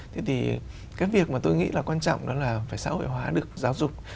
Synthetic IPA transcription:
t̪ʰe˨˦t̪ʰi˨˩ | kaː˨˦jvi˨˩ək̚maː˨˩t̪o˧jŋḭ˧˥laː˨˩kwaː˧nt͡ɕɔ̰˧˨wŋ͡mɗɔ˨˦laː˨˩faː˧˩jsa̰ː˧˥ho̰˧˨jɦwaː˨˦ɗɨ˨˩ək̚zaː˨˦wzʊ˨˩k͡p̚

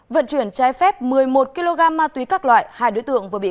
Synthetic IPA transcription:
və̰˧˨nt͡ɕwi˧˩ənt͡ɕaː˨˦jfɛ˦˥p̚mɨ˨˩əjmo˨˩t̚ki˧lo˧ɣaː˧mːaː˧t̪wi˨˦kaː˦˥k̚lwa̰ː˧˨jhaː˧jɗo˨˦jt̪ɨ̰˧˨əŋvɨ˨˩ɓi˧˩ə˨

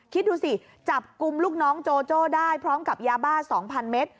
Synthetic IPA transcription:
kʰi˦˥t̪̚duː˧si˨˩ | t͡ɕa˨˩p̚ku˧mluː˥˩k̚nɔː˦˥ŋt͡ɕoː˧t͡ɕoː˥˩daː˥˩jpʰɾɔː˦˥mka˨˩p̚jaː˧baː˥˩sɔː˩˦ŋpʰa˧nme˦˥t̪̚

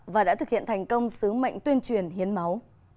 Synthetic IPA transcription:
vaː˨˩ɗa̰ː˧˥t̪ɨ˨˩k̚hi˧˨nt̪ʰŋ̟kə˧wŋ͡msɨ˨˦ma̰˧˨jŋ̟t̪wi˧ənt͡ɕwi˨˩ənhi˨˦ənma˨˦w

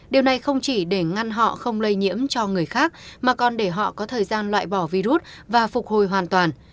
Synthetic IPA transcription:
ɗi˨˩əwna˨˩jxə˧wŋ͡mt͡ɕi˧˩ɗe˧˩ŋa˧nɦɔ̰˧˨xə˧wŋ͡mlə˧jɲḭ˧˥əmt͡ɕɔ˧ŋɨ˨˩əjxaː˦˥k̚maː˨˩kɔ˨˩nɗe˧˩ɦɔ̰˧˨kɔ˨˦t̪ʰəː˨˩jzaː˧nlwa̰ː˧˨jɓɔ˧˩vi˧ɾu˦˥t̚vaː˨˩fʊ˨˩k͡p̚ho˨˩jɦwaː˨˩nt̪waː˨˩n

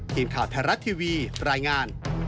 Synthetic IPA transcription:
t̪ʰiː˨˩˦nkʰaː˨˩wt̪ʰaː˧ɾa˦˥t̪ʰiː˧wiː˧ɾaː˧jŋaː˧n

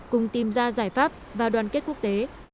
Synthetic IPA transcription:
kʊ˨˩ŋ͡mt̪i˨˩mzaː˧zaː˧˩jfaː˦˥p̚vaː˨˩ɗwaː˨˩nke˦˥t̚ku˦˥ək̚t̪e˨˦

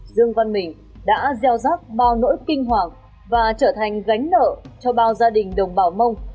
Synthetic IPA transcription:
zɨ˧əŋva˧nmï˨˩ŋ̟ | ɗa̰ː˧˥zɛ˧wzaː˦˥k̚ɓaː˧wno̰˧˥jkï˧ŋ̟ɦwaː˨˩k̚ | vaː˨˩t͡ɕəː˧˩t̪ʰa˨˩jŋ̟ɣa˨˦jŋ̟nə̰ː˧˨t͡ɕɔ˧ɓaː˧wzaː˧ɗï˨˩ŋ̟ɗə˨˩wŋ͡mɓaː˧˩wmə˧wŋ͡m

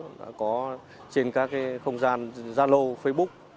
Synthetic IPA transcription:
ɗa̰ː˧˥kɔ˨˦ | t͡ɕe˧nkaː˦˥kːaː˨˦xə˧wŋ͡mzaː˧nzaː˧lo˧fə˧jɓʊ˦˥k͡p̚

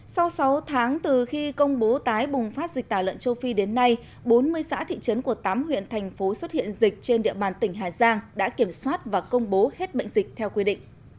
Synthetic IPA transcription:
sa˧wsa˨˦wt̪ʰaː˨˦ŋt̪ɨ˨˩xi˧kə˧wŋ͡mɓo˨˦t̪aː˨˦jɓʊ˨˩ŋ͡mfaː˦˥t̚zi˨˩k̟̚t̪aː˧˩wlə̰˧˨nt͡ɕə˧wfi˧ɗe˨˦nːa˧j | ɓo˨˦nmɨ˧əjsa̰ː˧˥t̪ʰḭ˧˨t͡ɕə˨˦nku˧˩ət̪aː˨˦mhwḭ˧˨ənt̪ʰɛ˨˩jŋ̟fo˨˦swə˦˥t̚hḭ˧˨ənzi˨˩k̟̚t͡ɕe˧nɗḭ˧˨əɓaː˨˩nt̪ï˧˩ŋ̟ɦaː˨˩zaː˧ŋɗa̰ː˧˥ki˧˩əmswaː˦˥t̚vaː˨˩kə˧wŋ͡mɓo˨˦he˦˥t̚ɓə̰˧˨ŋ̟zi˨˩k̟̚t̪ʰɛ˧wkwi˧ɗḭ̈˧˨ŋ̟

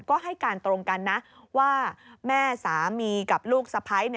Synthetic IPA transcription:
kɔː˥˩ɦa˥˩jkaː˧nt̪ɾo˧ŋka˧nːa˦˥ʔ | waː˥˩mɛː˥˩saː˩˦miː˧ka˨˩p̚luː˥˩k̚sa˧pʰa˦˥jni˥˩

